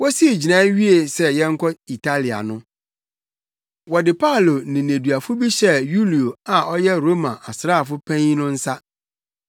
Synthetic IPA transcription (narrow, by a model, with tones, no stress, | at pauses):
wɔ˦si˦e˨d͡ʑi˨nã˦ɥi˦e˨sɛ˦jɛ̃˦ŋ̩˦kʰɔ˦i˨tʰa˦li˨a̰˨nʊ̃˦ | wɔ˨dɪ˨pʰa˦˨lo˨nɪ̃˨nẽ˨du˨a˨fʊ˦bi˦ɕɛ˦˨ju˦li˨o˨a˨ʔɔ˦jɛ˦ɾo˦mã˨ʔa˨sɾa˦˨f̬ʊ˦pʰɛ̃˦nʊ̃˦n̩˦sa˦